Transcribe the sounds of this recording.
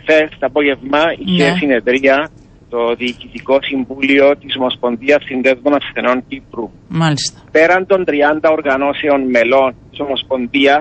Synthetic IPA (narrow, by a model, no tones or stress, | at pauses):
fest̪ɐpoʝe̞vmɐiçesine̞ðɾiɐ | t̪o̞ðiːcit̪iko̞siɱvulio̞t̪isomo̞spo̞nðiɐsːind̪ezd̪onɐfθe̞no̞nt̪ipɾu | malist̪ope̞ɾɐnd̪o̞nd̪ɾiɐnd̪ɐoɾɣɐno̞seonme̞lo̞nt̪isomospo̞nðiɐs